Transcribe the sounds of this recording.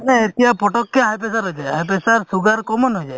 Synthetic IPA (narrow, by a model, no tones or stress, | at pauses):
nɛet̪iapɔʈɔkːeɦajpesaɾɦɔjd͡ʒajɦajp̬esaɾsuɡaɾkɔmɔnɦɔjd͡ʒaj